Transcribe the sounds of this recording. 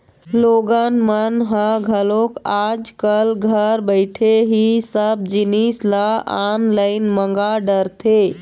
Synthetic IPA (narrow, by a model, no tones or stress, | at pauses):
loɡənmənɦəɡʱəlokad͡ʒkəlɡʱəɾbəɪʈʰeɦisəb̚d͡ʒinisləa̰nləɪnməŋɡaɖəɾt̪ʰe